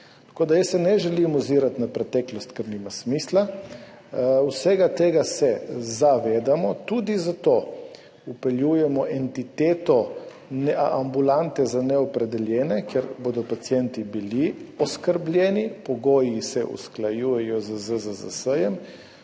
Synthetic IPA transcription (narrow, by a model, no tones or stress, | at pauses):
t̪koːd̪ajəsːɛnɛʒɛlimuziːɾat̪napɾɛt̪ɛːklɔst̪kəɾnimasmisla | wsɛɡat̪eːɡasɛzaʋeːd̪amɔt̪ud̪izat̪o | upɛljujɛmɔʔɛnt̪it̪eːt̪ɔ | nɛambulant̪ɛzanɛɔpɾɛd̪ɛljɛːnɛkjɛɾboːd̪ɔpat̪sjɛnt̪ibiliɔskəɾblʲjɛːnipɔɡoːjisɛʔṵsklajuːjɛjɔzəzəzəza̰səjɛm